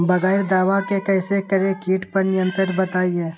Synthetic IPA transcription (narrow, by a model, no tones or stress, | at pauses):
bɐɣɛɪɾd̪aːʋakekɛːsekɐɾekiːʈpɐɾnɪjə̃nt̪ɾəɾbɐt̪aːiɦɛ̃ː